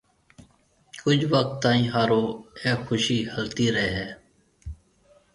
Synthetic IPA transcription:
kʊd͡ʒʱʋək̚t̪ːãːĩːɦaːɾoːɛːxʊʃiːhəlt̪iːɾəeːɦɛː

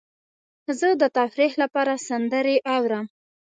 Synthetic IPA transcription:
zəd̪ət̪afɾihlapɑɾasand̪əɾeʔawɾəm

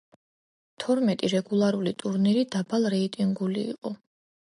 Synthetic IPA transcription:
t̪ʰɔɾmɛt̪ʼiɾɛɡulˠaɾulit̪ʼuɾniɾid̪abalˠɾɛit̪ʼiŋɡulḭːqʼɔ

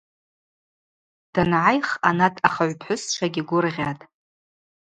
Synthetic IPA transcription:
d̥anʕajχanatʰʼaχaʕʷpʰħʷʊst͡ʃʷʰaɡʲɪɡʷʊrʁʲatʼ

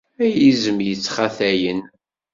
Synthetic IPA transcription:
æjizəmjət͡sːχaθæjən

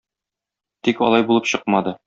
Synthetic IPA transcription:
t̪ikɒ̰lˠɑjbulˠɤpɕɤq̚mɑd̪ɤ

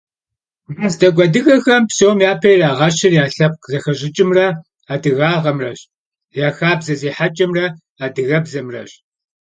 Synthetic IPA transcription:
rɐzdɐɡʷɐdɨɣɐxɐmpsowmjaːpʰɐjraːʁɐʃɪrjaːɬɐp̚zɐxɐʑʼɪt͡ʃʼɪmrɐ | aːdɨɣaːʁɐmrɐɕ | jaːxaːbzɐziːħat͡ʃʼɐmrɐ | aːdɨɣɐbzɐmrɐ̰ɕ

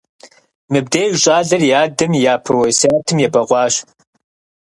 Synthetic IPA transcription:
mɨb̚deːjwɕʼaːɮɐrjaːdɨmjaːpʰɐwɐsɐaːtʰɨmjɛbɐqʷɑːɕ

